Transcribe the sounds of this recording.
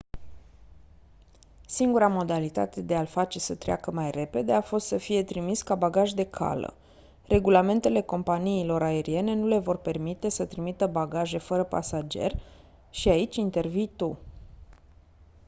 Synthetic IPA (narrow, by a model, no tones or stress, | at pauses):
siŋɡuɾamo̞d̪alit̪a̰t̪e̞d̪e̞alfat͡ʃe̞sət̪ɾea̰kəmajre̞pe̞d̪e̞afo̞st̪səfije̞t̪ɾimiskabaɡaʒd̪e̞kʰa̰lə̰ | re̞ɡulame̞nt̪e̞le̞ko̞mpaniːlo̞ɾae̞ɾie̞ne̞nule̞vo̞rpe̞rmit̪e̞sət̪ɾimit̪əbaɡaʒe̞fəɾəpa̰sad͡ʒe̞̰r | ʃiait͡ʃʲint̪e̞rvijt̪u